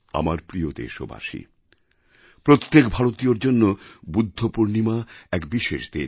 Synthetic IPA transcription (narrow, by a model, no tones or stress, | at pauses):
a̰maɾpɾiod̪ḛʃo̰ba̰ʃḭ | pɾot̪ːekbʱaɾot̪ioɾd͡ʑonːobud̪ʱːopuɾnimaɛkbiʃeʃd̪e